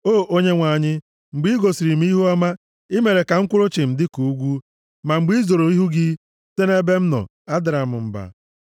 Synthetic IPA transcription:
oː˦˨ʔo˦ɲe˦ŋʷa˨ɲɪ˦ | ŋ͡m̩˨ɡ͡bi˦ɡo˨si˨ɾi˨m̩˦i˦ɦu˦ɔ˦ma˦ | ɪ˦me˨ɾe˨ka˨ŋ̩˦kʷʊ˦ɾʊ˦t͡ʃɪ˨m̩˨dɪ˦ku˨u˦ɡʷu˦ | ma˨ŋ͡m̩˨ɡ͡bi˦zo˨ɾo˨i˦ɦu˦ɡɪ˦ | te˦ne˦be˦m̩˦nɔ̰˨ | a˦dɪ˨ɾa˨mʊ̰˨m̩˨ba̰˨

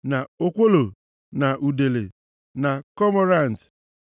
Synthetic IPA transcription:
na˨o˦kʷo˦lo˨ | na˨ʔu˨de˨lḛ˨ | na˨kɔ˦mɔ˦ɾa˦˨n̩˨t

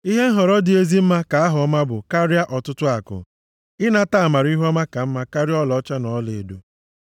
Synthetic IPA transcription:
i˦ɦe˦n̩˦ɦɔ˨ɾɔ˦dɪ˨e˦zi˦m̩˦ma˦ka˨˦a˦ɦɔ˦ma˦bʊ˨ka˦ɾja˦ʔɔ˨tʊ˦tʊ˦a˨kʊ̰˨ | ɪ˦na˦ta˦˨ma˨ɾi˦ɦɔ˦ma˦ka˨m̩˦ma˦ka˦ɾjɔ˦lɔ˦t͡ʃa˦nɔ˨˦le˨e˨do˨

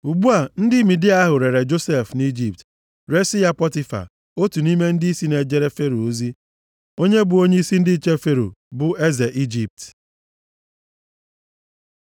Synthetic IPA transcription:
u˨ɡ͡bu˦a˨n̩˦dɪ˦mi˨dɪ˦a˦ɦʊ˨ɾe˨ɾe˨d͡ʒo˦se˦˨fni˦d͡ʒi˨p̚t | ɾe˦si˦ja˦pɔ˦ti˦fa̰˨ | o˦tu˨ni˦me˦n̩˦dɪ˦i˦si˦ne˨d͡ʒe˦ɾe˦fe˦ɾo˨o˦zi˦ | o˦ɲe˦bʊ˨o˦ɲe˦i˦si˦n̩˦dɪ˦t͡ʃe˦fe˦ɾo̰˨bʊ˨e˦ze˨ʔi˦d͡ʒi˨p̚t

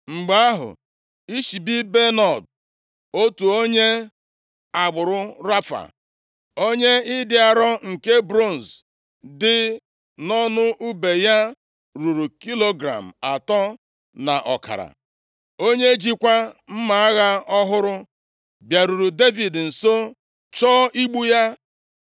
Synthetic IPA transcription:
ŋ͡m̩˨ɡ͡ba˦a˦ɦʊ̰˨ | i˦ʃi˨bi˦be˦nɔ˨d | o˦tu˨o˦ɲe˦ | a˨ɡ͡bʊ˨ɾʊ˦ɾa˦fa̰˨ | o˦ɲe˦ɪ˦dɪ˦a˨ɾɔ˦ŋ̩˨ke˦bɾo˦˨n̩˨z | dɪ˦ | nɔ˦nʊ˦ʔu˦be˨ja˦ | ɾu˨ɾu˨ki˦lo˦ɡɾa̰˨m̩˨a˨tɔ˦ | na̰˨ʔɔ̰˨ka̰˨ɾa̰˨ | o˦ɲe˦d͡ʒi˦kʷa˦m̩˦ma˨a˦ɣa˦ɔ˦ɦʊ˦ɾʊ˦ | bja˨ɾu˨ɾu˨de˦vi˨dn̩˨so˦ | t͡ʃɔː˦ʔi˦ɡ͡bu˦ja˦

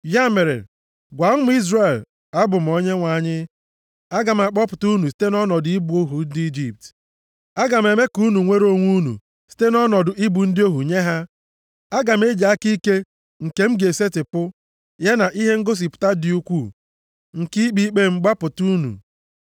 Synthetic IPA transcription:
ja˦me˨ɾḛ˨ | ɡʷa˨m̩˦mʊ˦i˦zre˦˨l | a˦bʊ˨m̩˨o˨ɲe˦ŋʷa˨ɲɪ˦ | a˦ɡa˨m̩˨a˨k͡pɔ˦pʊ˨tu˦nu˨s̬i̥˦te˦nɔ˦nɔ˨dʊ˨˦i˦bu˨o˦ɦu˨di˦d͡ʒi˨p̚t | a˦ɡa˨m̩˨e˨me˦ku˦nu˨ŋʷe˦ɾo˦ŋʷu˦nṵ˨ | si̥˦te˦nɔ˦nɔ˨dʊ˨ʔi˦bu˨n̩˦dɪ˦o˦ɦu˨ɲe˦ɦa˦ | a˦ɡa˨m̩˦e˦d͡ʒa˨a˦ki˦ke˦ | ŋ̩˨ke˦m̩˦ɡe˨se˦tɪ˨pʊ˦ | ja˦na˨ʔi˦ɦe˦ŋ̩˦ɡo˦s̬i˨pʊ̥˨ta˦dɪ˨u˦kʷu˦˨ | ŋ̩˨ki˦k͡pi˦k͡pe˦ŋ͡m̩˨˦ɡ͡ba˦pʊ˨tu˦nṵ˨

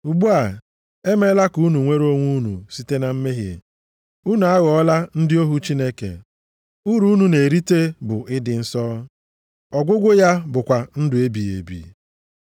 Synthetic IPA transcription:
u˨ɡ͡bu˦a˨ | e˦me˦la˦ku˦nu˨ŋʷe˦ɾo˦ŋʷu˦nṵ˨si˦te˦na˨m̩˦me˦ɦḛ˨ | u˦nu˨a˦ɣɔ˨ɔ˦la˦n̩˦dɪ˦o˦ɦu˦t͡ʃi˦ne˦kḛ˨ | u˦ɾu˦nu˦ne˨ɾi˦te˦bʊ˨ʔɪ˦dɪ˨n̩˦sɔː˦ | ɔ˨ɡʷʊ˦ɡʷʊ˦ja˦bʊ˨kʷa˨n̩˦dʊ˨e˦bi˨ḛ˨bḭ˨

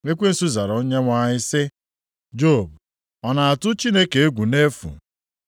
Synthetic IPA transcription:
ŋe˦kʷe˦n̩˨su˦za˨ɾo˦ɲe˦ŋʷa˦ɲɪ˦sɪ˦ | d͡ʒo˦˨b | ɔ˨na˨a˨tʊ˦t͡ʃi˦ne˦ke˨e˦ɡʷu˨ne˦fṵ˨

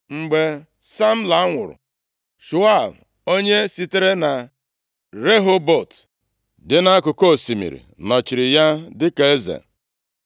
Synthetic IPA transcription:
ŋ͡m̩˨ɡ͡be˨ | sa˦m̩˦la˨a˦ŋʷʊ̰˨ɾʊ̰˨ | ʃu˨a˦˨l | o˦ɲe˦si˦te˦ɾe˦na˨ | ɾe˦ɦo˦bo˨t | dɪ˦na˦a˦kʊ˨ko˦˨si˨mḭ˨ɾḭ˨nɔ˨t͡ʃi˨ɾɪ˨ja˦dɪ˦ke˨e˦zḛ˨

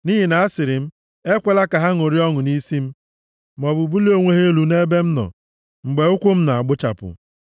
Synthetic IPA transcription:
ni˦ɦi˨na˨a˦sɪ˨ɾɪ˨m̩˦ | e˦kʷe˨la˦ka˨ɦa˦ŋo˨ɾi˦ɔ˦ŋʊ˨ni˦si˦m̩˦ | m˨ɔ˨bʊ˨bu˦li˦o˦ŋʷe˦ɦe˦lu˨ne˦be˦m̩˦nɔ̰˨ | ŋ͡m̩˨ɡ͡be˨ʊ˦kʷʊ˦m̩˦na˨a˨ɡ͡bʊ˦t͡ʃa̰˨pʊ̰˨

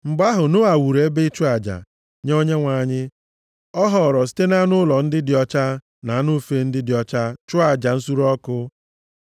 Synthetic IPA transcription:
ŋ͡m̩˨ɡ͡ba˦ɦʊ˨nʊ˦a˨wu˨ɾe˨˦be˦t͡ʃu˦a˨d͡ʒa̰˨ | ɲo˦ɲe˦ŋʷa˨ɲɪ˦ | ɔ˦ɦɔ˨ɾɔ˨s̬i̥˦te˦na˦nʊ˦lɔ˨n̩˦dɪ˦dɪ˨ɔ˦t͡ʃa˦ | na˨˦nʊ˦fe˦n̩˦dɪ˦dɪ˨ɔ˦t͡ʃa˦t͡ʃʊ˦a˨d͡ʒa˨n̩˦su˦ɾɔ˦kʊ˦

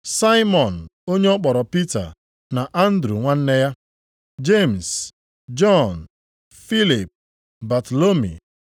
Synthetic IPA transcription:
sa˦ɪ˦mɔ˨n̩˨o˦ɲe˦ɔ˦k͡pɔ˨ɾɔ˨pi˦ta̰˨ | na˨ʔa˦n̩˦dɾu˨ŋʷa˦n̩˦ne˦ja˦ | d͡ʒe˦˨m˨s | d͡ʒɔ˦˨n̩˨ | fi˦li˨p̚ | ba˨to˨lo˦mḭ˨

